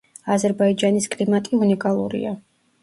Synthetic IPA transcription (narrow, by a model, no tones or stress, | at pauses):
azɛɾbaid͡ʒaniskʼlimat̪ʼiunikʼalˠṵɾḭa